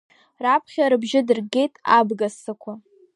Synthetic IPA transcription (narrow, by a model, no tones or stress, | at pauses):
rapʰχʲaɾɨbʒɪdɨrɡe̞jtʼabɡasɨkʷʰa